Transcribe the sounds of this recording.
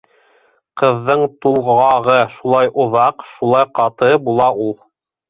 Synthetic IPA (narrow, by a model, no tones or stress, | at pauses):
qɤ̆ðːɤɴt̪ulˠʁɑʁɤʃulˠɑjʔŏðɑqʃulˠɑjqɑt̪ɤbulˠɑʔulˠ